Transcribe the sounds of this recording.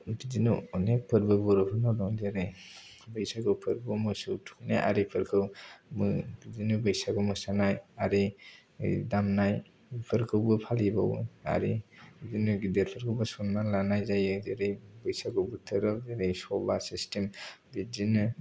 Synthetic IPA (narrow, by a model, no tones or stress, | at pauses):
bid͡ʒinɯɔnek̚pʰɯɾbɯbɔɾɯpʰɯnɔdɔŋdeɾej | bɯjsaɡɯpʰɯɾbɯmɯsɯwtʰuneʔa̰ɾipʰɯɾkʰɯwmɯbidinɯbɯjsaɡɯmɯsanajaɾi | damnaj | pʰɯɾkʰɯwɡɯpʰalibaw̰a̰ɾiidinɯɡidetpʰɯɾkʰɯwbɯsɔnmalanajzajɯdeɾejbɯjsaɡɯbutʰɯɾɯdeɾejsɔba̰sistembizinɯ